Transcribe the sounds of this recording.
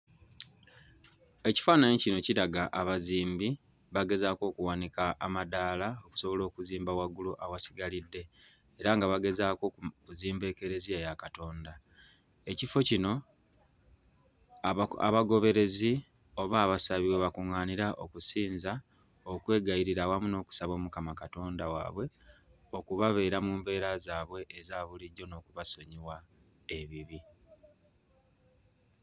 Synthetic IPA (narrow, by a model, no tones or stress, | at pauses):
e̞ci̥faːnaɲicino̞ciɾaɡaʔaβaziːmbi | βaɡe̞zaːko̞ːkuwanikaʔamadaːlaoku̥so̞βo̞lo̞ːkuziːmbawaɡuluʔawasi̥ɡalidːe̞ː | ɾaŋɡaβaɡe̞zaːkouziːmbe̞ːke̞ɾe̞ziejakato̞ːnda | e̞cifo̞cino̞ | a̰βaɡo̞βe̞ɾe̞zi | o̞βaːβasaβiweβakuŋaːniɾaʔo̞kusiːnza | okwe̞ːɡaiɾiɾawamuno̞ːku̥saβo̞ːmukamakato̞ːndawa̰ːβwe̞ | o̞kuβaβe̞ːɾamuːmbe̞ːɾazaːβwe̞ʔːzaβuliɟo̞no̞ːkuβaso̞ɲiwa | e̞βiβi